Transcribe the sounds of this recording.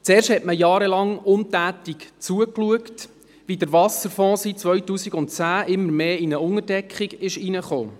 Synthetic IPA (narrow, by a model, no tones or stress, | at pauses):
t͡seːɾʃthɛtməjɑːɾəlɑŋʊntæːtikt͡suəkluəkt | ʋidəɾvɑsəɾfɔ̃ːsit̚t͡sʋœɥtuːsiɡʊntt͡sæːʔɪmːəɾmeːinəʊŋərdɛkχiɡɪʃinəχo̰ː